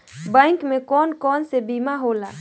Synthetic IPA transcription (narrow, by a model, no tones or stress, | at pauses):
bɛ̃ɪŋkmẽkɔːnkɔːnsebimaɦolaː